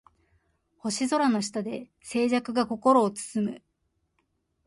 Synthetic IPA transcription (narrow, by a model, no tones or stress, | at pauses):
ho̞ɕizo̞ɾano̞ɕi̥t̪ad̪e̞ | se̞ːʑakɯ̟ɡako̞ko̞ɾo̞ːt͡sɨ̥sɨmɯ̟